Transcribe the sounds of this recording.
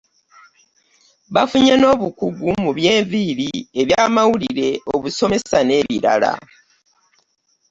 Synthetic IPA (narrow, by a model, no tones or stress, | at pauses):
βafuɲeno̞ːβukuɡumuβje̞ːɱviɾieβjaːmawuliɾe̞oβuso̞me̞sane̞ːβḭɾa̰la̰